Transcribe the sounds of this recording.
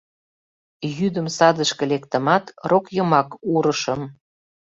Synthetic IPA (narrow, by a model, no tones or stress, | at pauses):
jyd̪əmsɑd̪əʃkĕlekt̪ə̆mɑt̪rokjɤmɑkuɾəʃə̆m